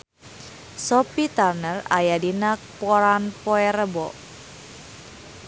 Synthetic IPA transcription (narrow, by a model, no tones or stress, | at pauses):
sɔpit̪arnəra̰jadinak̚pɔɾanpoeɾəbɔ